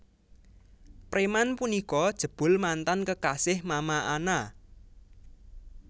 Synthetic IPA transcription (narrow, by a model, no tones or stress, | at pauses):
pɾemanpunikɔd̥ʒ̥ə̤b̥ʊ̤lmant̪ankəkasɪhmamaana